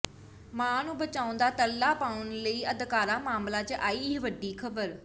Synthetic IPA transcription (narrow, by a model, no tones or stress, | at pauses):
mãːnũːbət͡ʃaːʊ̃nd̪aːt̪əlːaːpaːʊnləiːəd̪kaːɾãːmaːmlaːt͡ʃʔaːiːʋəɖiːkʰəbəɾ